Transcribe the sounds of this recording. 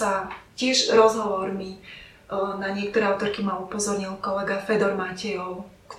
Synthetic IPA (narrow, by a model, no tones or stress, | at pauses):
acɪɛʒɾɔzɦɔʋɔɾmi | naɲɪɛk̚t̪ɔɾɛːaʊt̪ɔɾkimaupɔzɔɾɲilkɔlɛɡafɛd̪ɔɾmacɛjɔʊ | k